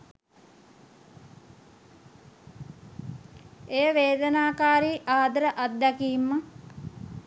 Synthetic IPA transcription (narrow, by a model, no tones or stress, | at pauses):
ejəʋeːd̪ənaːkaːɾiːʔaːd̪əɾəʔat̪̚d̪ækiːmːə